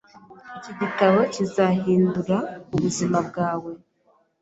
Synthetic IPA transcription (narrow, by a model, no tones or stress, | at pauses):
iciɟitaβocizahiːnduɾauβuzimab̚ɡaːwe̞